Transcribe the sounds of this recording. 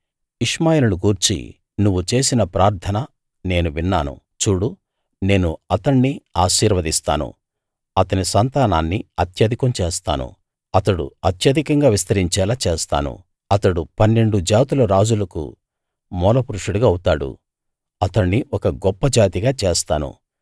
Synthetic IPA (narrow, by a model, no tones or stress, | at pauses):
iʂmaːjelɐnuɡuːɾt͡ʃḭ | nuʋːut͡ʃe̞ːsinɐpɾaːɾt̪ʰɐnɐ | ne̞ːnuʋinːa̰ːnṵ | t͡ʃuːɽu | ne̞ːnuɐt̪ɐɳːiaːʃiːɾʋɐd̪ist̪a̰ːnṵ | ɐt̪ɐnisɐnt̪aːnaːnːiɐt̪jɐd̪ʱikɐmt͡ʃeːst̪a̰ːnṵ | ɐt̪ɐɽṵɐt̪jɐd̪ikɐŋɡaːʋist̪ɐɾiɲt͡ʃɛːlaːt͡ʃeːst̪a̰ːnṵ | ɐt̪ɐɽupɐnːe̞ɳɖud͡ʒaːt̪ulɐɾaːd͡ʒulɐkṵ | mɔːlɐpuɾuʂuɽuɡaːɐwut̪aːɽṵ | ɐt̪ɐɳːiɔkɐɡɔpːɐd͡ʒaːt̪iɡaːt͡ʃeːst̪a̰ːnṵ